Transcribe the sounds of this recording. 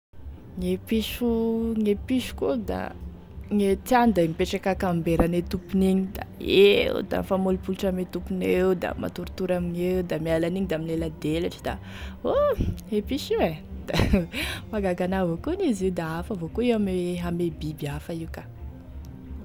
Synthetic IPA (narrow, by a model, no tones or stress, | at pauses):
ŋepiʃuŋepiʃu̥kud̪a̰ | ŋet͡s̪iand̪amipeʈ͡ʂakakambeɾanet̪upuniɲid̪a̰eo̰d̪a̰famolupulʈ͡ʂamet̪upunewd̪a̰ma̰t̪uɾut̪uɾamiɲewd̪amialaniɲid̪aaminlelad̪elaʈ͡ʂi̥d̪a̰ | oepiʃiwed̪̥amaɡaɡanavokoniziwd̪aafəvokoewamweɦamebibiafəikḁ